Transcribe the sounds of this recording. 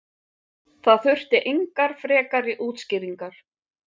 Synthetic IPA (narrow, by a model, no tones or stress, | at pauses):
θaðθʏr̥t̪ɪʔejŋkaɾ̥fɾɛːkaɾɪʔuːt̪scɪːɾiŋkaɾ̥